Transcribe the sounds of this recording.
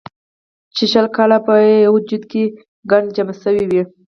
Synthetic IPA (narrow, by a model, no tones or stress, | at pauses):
t͡ʃeʃəlkɑlapəwʊd͡ʒud̪ke | ɡaɳɖd͡ʒamasəwiwi